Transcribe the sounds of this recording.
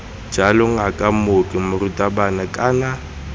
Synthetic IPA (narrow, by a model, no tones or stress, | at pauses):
d͡ʒalɔŋ̩akʼamokʼɪmʊrutʼabanakʼaːna